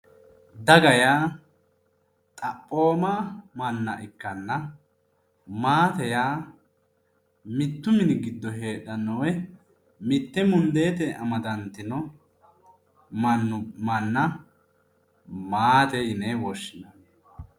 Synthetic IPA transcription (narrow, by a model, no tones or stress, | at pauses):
d̪ɐɡɐjaː | t̪ʼɐpʼːo̞ːmɐmɐnːɐʔɪkːɐnːɐ | maːt̪ɛjaː | mɪt̪ːʊmɪnɪɡɪd̪ːɔɦe̞ːɗɐnːɔwɛ | mɪt̪ːɛmʊnd̪e̞ːt̪ɛɐmɐd̪ɐnt̪ːɪnɔ | mɐnːmɐnːɐ | maːt̪ɛjɪnewɔʃːɪnɐn